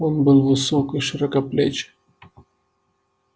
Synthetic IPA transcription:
onbɨlˠvɨsokɨjʂɨɾɐkɐplʲet͡ɕ

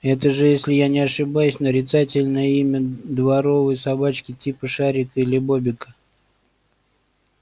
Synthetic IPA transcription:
ɛt̪əʐɨjesʲlʲɪjanʲɪɐʂɨbajʉsʲnəɾʲɪt̪satʲɪlʲnəjəimʲəd̪vɐɾo̞vəjsɐbat͡ɕkʲɪtʲipəʂaɾʲɪkəilʲɪbobʲɪkə̥

